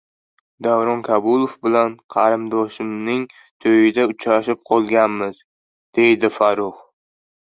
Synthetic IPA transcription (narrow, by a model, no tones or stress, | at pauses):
d̪avɾɒnkʰabʊlˠofbɪlanqʰɑɾɪmd̪ɒʃɪmnɪŋ | t̪ʰojɪd̪aʊt͡ʃɾaʃɪp̚qʰɒlˠɡʲanmɪz | d̪̥e̞jd̪ɪfaɾʊχ